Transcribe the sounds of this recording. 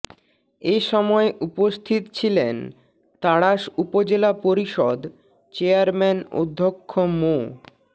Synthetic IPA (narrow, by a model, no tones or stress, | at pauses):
eʃɔmɔeʔupost̪ʰit̪t͡ɕʰilen | t̪aɽaʃupod͡ʑelapoɾiʃɔd̪ | t͡ɕeaɾmɛno̰d̪ʱːokʰːomo